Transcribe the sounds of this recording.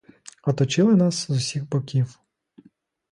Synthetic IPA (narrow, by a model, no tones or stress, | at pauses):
ɔt̪ɔt͡ʃɪlˠɪnɑszusʲiɣbɔkʲiw